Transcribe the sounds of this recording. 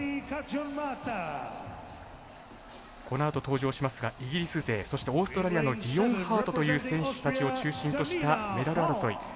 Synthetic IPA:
ko̞noat̪o̞t̪o̞ːʑo̞ːɕimasɨɡaʔiɡʲiɾʲisɨze̞ːso̞ɕi̥t̪e̞o̞ːsɨ̥t̪o̞ɾaɾʲijano̞ɡʲijõ̞ɰ̃haːt̪o̞t̪o̞jɯ̟ːsẽ̞ɰ̃ɕɨ̥t̪at͡ɕio̞t͡ɕɨːɕĩnt̪o̞ɕi̥t̪ame̞d̪aɾɯaɾɯso̞ḭ

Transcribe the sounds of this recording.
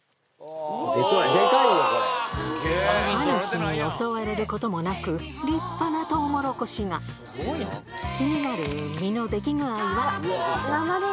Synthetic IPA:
ekɯad̪ekai | anokɯnojosoːβaɾeɾɯ̟ko̞t̪o̞mo̞nakɯ̟ɾʲipːanat̪o̞ːmo̞ɾo̞ko̞ɕiŋa | kʲiɲ̟inaɾɯ̟mʲino̞d̪e̞kʲiŋɯ̟aiβaa

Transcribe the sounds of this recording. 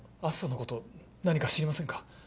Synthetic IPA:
asɨ̥sonokot̪o̞ | naɲ̟ikaɕiɾʲimasẽ̞ŋkḁ

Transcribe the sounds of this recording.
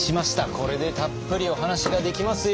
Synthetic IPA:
ɕimaɕi̥t̪ako̞ɾe̞d̪e̞t̪apːɯ̟ɾʲio̞ɦanaɕiɡad̪e̞kʲimasɨ

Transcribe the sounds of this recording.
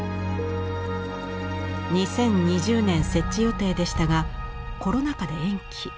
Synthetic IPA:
ɲ̟isẽ̞ɲ̟ɲiʑɨːnẽ̞ɰ̃se̞t͡ɕt͡ɕːijo̞t̪e̞ːd̪e̞ɕi̥t̪aɡa | ko̞ɾo̞nakad̪e̞ẽ̞ŋkʲi

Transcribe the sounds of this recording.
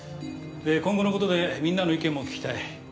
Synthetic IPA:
d̪ekõ̞ŋɡo̞noko̞t̪o̞d̪e̞mʲĩnːanoikẽ̞mːo̞kʲkʲi̥t̪ai

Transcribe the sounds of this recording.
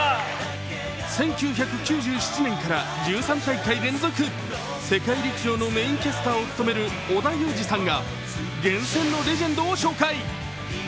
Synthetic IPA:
sẽ̞ŋkʲɨːçakɯ̟kʲɨːʑɨːɕi̥t͡ɕinẽ̞ŋkaɾad͡ʑɨːsãnt̪aikaiɾẽ̞nd͡zo̞kɯ̟ | se̞kaiɾʲikiʑo̞ːno̞meĩŋkʲesɨ̥t̪aːo̞t͡sɨ̥t̪o̞me̞ɾɯ̟ | od̪ajo̞ːd͡ʑisãŋɡa | ɡẽ̞ɰ̃sẽ̞nːo̞ɾe̞ʑẽ̞nd̪o̞ːɕo̞ːkai

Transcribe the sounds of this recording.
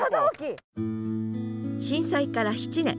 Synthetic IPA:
ad̪aokʲi | ɕĩɰ̃saikaɾaçi̥t͡ɕinẽ

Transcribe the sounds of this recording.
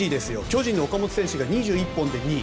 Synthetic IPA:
id̪e̞sɨjo̞̰kʲo̞ːʑĩnːookamo̞t͡sɨ̥sẽ̞ɕɨɡaɲ̟iʑɨːipːõ̞nd̪e̞ɲ̟i

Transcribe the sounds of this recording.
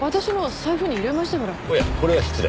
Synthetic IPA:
βat̪aɕinosajɯɸɯ̟ːɲ̟iiɾemaɕi̥t̪emoɾaoja̰ko̞ɾe̞βaçi̥t͡sɨd̪ḛ

